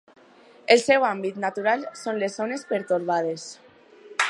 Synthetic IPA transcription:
elsɛwambit̪nat̪uɾalsonlezonespeɾt̪uɾβað̞es

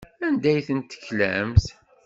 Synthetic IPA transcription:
ænd̪æjθənt̪ːə̥çlæ̰mθ

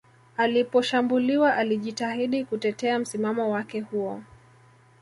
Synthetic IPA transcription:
alipɔʃambuliwaʔaliʄitahiɗikutɛtɛam̩simamɔwakɛhuɔ

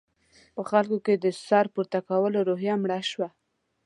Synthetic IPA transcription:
pəxalkoked̪əsɑɾpuɾt̪akawəloɾoɦjamɽaʃwa

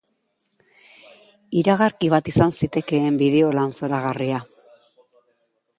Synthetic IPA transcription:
iɾaɣaɾkiβ̞at̪isansit̪e̞ke̞ːmbiðe̞o̞lanso̞ɾaɣaria

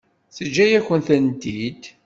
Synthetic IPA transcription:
θəd͡ʒːæjæçənθænt̪id̪

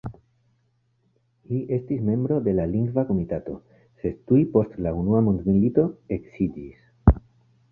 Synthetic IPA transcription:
hiʔe̞stisme̞mbɾo̞d̪e̞laliŋɡvako̞mitato̞̰ | se̞d̚tujpo̞stlaunuamo̞nd̪milito̞e̞ksidis

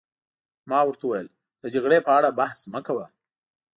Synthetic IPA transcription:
mɑwəɾt̪awajəl | d̪̥əd͡ʒaɣɽepəaɽabahsməkawa

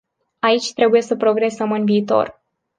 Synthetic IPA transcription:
ait͡ʃʲt̪ɾe̞buje̞səpɾo̞ɡɾe̞səmɨnviːt̪o̞̰r

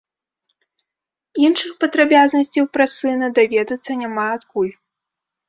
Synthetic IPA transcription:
inʂɨxpɐd̪ɾabʲaznɐsʲt͡sʲɐwpɾasɨnɐd̪avʲɛd̪ɐt̪sːɐnʲamaːt̪kulʲ

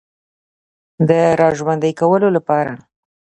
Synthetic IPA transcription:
d̪əɾɑʒwand̪əjkawəlolapɑɾa

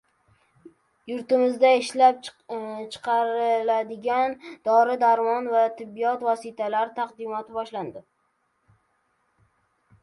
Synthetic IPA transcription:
jʊɾt̪ɪmɪzd̪aɪʃlap̚t͡ʃʰɨ̥qʰɑɾɪɪlad̪ɪɡʲand̪ɒɾɪd̪aɾmɒnvat̪ʰɪbːijɒt̪vɒsɪt̪ʰalaɾɪt̪ʰaqd̪ɪmɒt̪ʰɪbɒʃland̪ɪ

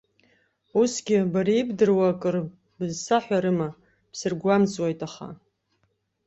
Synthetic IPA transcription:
usɡʲɪbaɾijibdɨrwakʼɨr | bɨzsaħʷᶣaɾɨma | psɨrɡʷamzʼwajtʼaχa̰

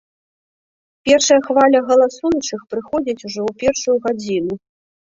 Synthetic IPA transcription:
pʲɛrʂɐjɐxvalʲɐɣɐlˠasujut͡ʂɨxpɾɨxɔd͡zʲit͡sʲuʐɔwpʲɛrʂujuɣad͡zʲinu

